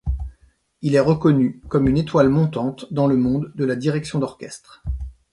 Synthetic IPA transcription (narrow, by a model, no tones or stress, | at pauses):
ilɛʁəkɔnykɔmynet̪walmɔ̃t̪ɑ̃t̪d̪ɑ̃ləmɔ̃d̪ːəlad̪iʁɛksjɔ̃d̪ɔʁkʲɛst̪χ